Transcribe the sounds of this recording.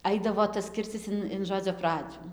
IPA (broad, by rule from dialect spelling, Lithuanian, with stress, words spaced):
ˈɐɪdɐʋoː tɐs ˈkʲɪrʲt͡sʲɪs ɪn ɪn ˈʒoːd͡zʲoː ˈprɑːd͡ʒʲʊ